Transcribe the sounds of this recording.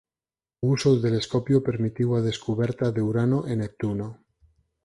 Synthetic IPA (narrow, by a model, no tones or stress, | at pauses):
usot̪ele̞skopjope̞ɾmit̪iwað̞e̞skuβeɾt̪aðeuɾanoʔenek̚t̪uno